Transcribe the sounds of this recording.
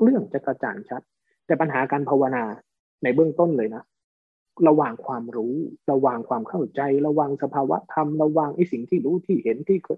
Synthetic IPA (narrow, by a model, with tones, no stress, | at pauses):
ɾɯ˥˩əŋt͡ɕa˨˩kɾa˧t͡ɕa̰ː˨˩nt͡ɕʰa˦˥t̪̚ː | ɛː˨˩pa˧nɦaː˩˦kaː˧npʰa˧wa˧naː˧ | na˧jbɯ˥˩əŋt̪o˥˩nlɤː˧jna˦˥ | ɾa˧waː˨˩ŋkʰwaː˧mɾuː˦˥ɾa˧waː˨˩ŋkʰwaː˧mkʰa˥˩wt͡ɕa˧jɾa˧waː˧ŋsa˧pʰaː˧wa̰˦˥t̪ʰa˧mɾa˧waː˧ŋʔa˧˥˩jsi˨˩ŋt̪ʰiː˥˩ɾuː˦˥t̪ʰiː˥˩he˨˩˦nt̪ʰiː˥˩kʰː